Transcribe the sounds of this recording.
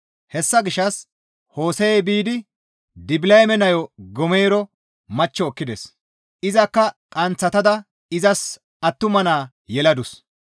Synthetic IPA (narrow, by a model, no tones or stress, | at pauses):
hɛsːɐɡɪʃːɐs | ho̞ːsɛjebiːd̪ɪ | d̪ɪbɪlɐjmɛnɐjɔɡɔmeːɾɔ | mɐt͡ʃːɔːkːɪd̪ɛs | ʔɪzɐkːɐkʼɐnt͡sːɐt̪ɐd̪ɐ | ɪzɐs | ɐt̪ːʊmɐnaː | jɛlɐd̪ʊs